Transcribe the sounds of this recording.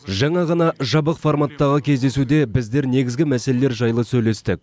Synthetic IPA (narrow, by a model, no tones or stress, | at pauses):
ʒɑɴɑʁɑnɑʒɑbəqformat̪ːɑʁəkʲʰe̞zd̪e̞sud̪e̞bɪzd̪e̞ɾne̞ɡʲɪzɡʲɪmæse̞lele̞ɾʒɑjlˠəsɵjle̞st̪ɪk̚